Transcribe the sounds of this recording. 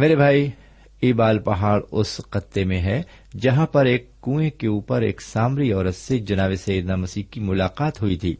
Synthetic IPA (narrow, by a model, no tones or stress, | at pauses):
meːɾebʱaːi | eːbaːlpɐɦaːɽʊsqɐt̪ːemẽɦɛ | d͡ʒɐɦãpɐɾeːkːũːẽkeuːpəɾḛːksaːmɾiɔːɾət̪sed͡ʒɐnaːʋesɐjəd̪namɐsiːɦkimʊlaːqaːt̪ɦʊit̪ʰḭː